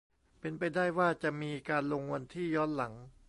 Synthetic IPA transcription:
pe˧npa˧jdaː˥˩jwaː˥˩t͡ɕa˨˩ʔmiː˧kaː˧nlo˧ŋwa˧nt̪ʰiː˥˩jɔː˦˥˩nla˩˦ŋ

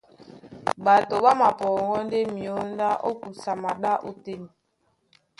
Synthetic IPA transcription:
ba˨to˨ba˦ma˨pɔː˨ŋɡɔ˦n˦de˦mi˨o˦n˦da˦ʔo˦ku˨sa˨ma˨ɗa˦ʔo˦te˦n˨

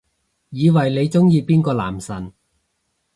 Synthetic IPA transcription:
jiː˨˧wɐ˨˩jle˨˧jt͡sʊ˥ŋjiː˧piː˥nkɔː˧la̰ː˨˩msɐ˨˩n

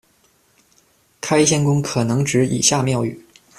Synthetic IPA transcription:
kʰa˥ɪɕjɛ˥nkʊ˥ŋkʰɤ˨˩nɤ˧˥ŋʈ͡ʂɻ̩˧˥ḭ˨˩ɕja˥˧mjɑ˥˩ʊy̰˨˩˦

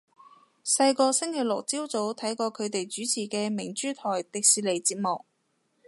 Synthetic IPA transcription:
sɐ˧jkɔː˧sɪ˥ŋkʰe˨˩lʊ˨k̚t͡siː˥wt͡so˨˥wt̪ʰɐ˨˥jkɔː˧kʰɵ˨˧ɥt̪e˨jt͡ʃyː˨˥t͡sʰiː˨˩kɛː˧mɪ˨˩ŋt͡ʃyː˥t̪ʰɔː˨˩jt̪ɪ˨k̚siː˧˩le˨jt͡siː˧t̚mɔː˨k̚

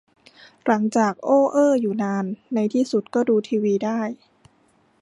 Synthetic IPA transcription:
la˩˦ŋt͡ɕaː˨˩k̚ʔoː˧˥˩ʔɤː˥˩juː˨˩naː˧nːa˧jt̪ʰiː˥˩su˨˩t̪̚kɔː˥˩duː˧t̪ʰiː˧wiː˧daː˥˩j

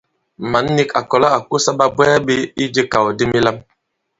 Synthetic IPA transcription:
ma˨˦nː˦i˦ka˨kɔ˨la˦a˨ko˦sa˦ɓa˦bwɛ˦a˦ɓe˦i˦d͡ʒe˦ka˨wo˨de˦mi˦la˦m

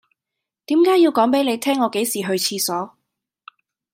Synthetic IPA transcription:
t̪iː˨˥mkaː˨˥ji˧wkɔː˨˥ŋpe˨˥jle˨˧jt̪ʰɛː˥ŋɔː˨˧ke˨˥jsiː˨˩ɦɵ˧ɥt͡sʰiː˧sɔː˨˥

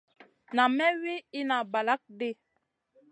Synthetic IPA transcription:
na˨mɛ˦wi˦i˦na˨ba˨la˦k̚de˦˨

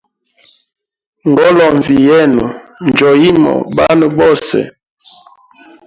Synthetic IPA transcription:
ŋɡɔ˦lɔ˨ɱ˨vi˨jɛ˦nu˨n˨d͡ʒɔ˨ji˦mɔ̰˨ba˦nə˨bɔ˦˨sɛ̰˨

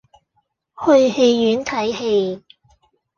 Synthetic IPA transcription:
hɵ˧ɥhe˧jːyː˨˥nt̪ʰɐ˨˥jhe˧j

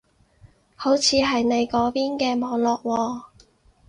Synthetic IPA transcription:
ho˨˥wt͡sʰiː˨˧ɦɐ˨jne˨˧jkɔː˨˥piː˥nkɛː˧mɔː˨˧ŋlɔː˨˩k̚wɔː˧

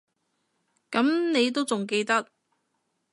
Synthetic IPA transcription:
kɐ˨˥mne˨˧jt̪̬o˥wt͡sʊ˨˩ŋk̬e˧jt̪ɐ˥k̚

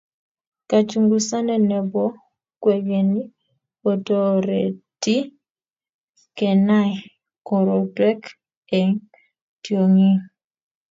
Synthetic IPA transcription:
ka˨t͡ʃu˨ŋɡu˨sa˦nɛ˨nɛ˨bɔ˦ | kwe˨ɡe˨ni˦ | o˨to˦ɾe˨ti˦ | kɛ˨na˦ɪ˨ | kɔ˨ɾɔ˨twɛ˦k | e˨ŋ | tjo˨ŋi˦ŋ

